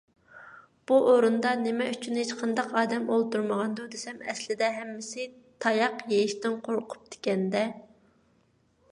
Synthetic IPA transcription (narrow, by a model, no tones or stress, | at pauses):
b̥uʔoɾund̪ɑnɪmɛyt͡ʃʰynhet͡ʃqʰɑnd̪ɑqɑːd̪ɛmolˠt̪uɾməʁɑnd̪ud̪esɛmɛslɪd̪ɛɦɛmːɪsɪ | t̪ʰɑjɑqjejiʃt̪ɪnqʰoɾqʰʊ̥p̚d̪̥ɪ̥kʲɛnd̪ɛ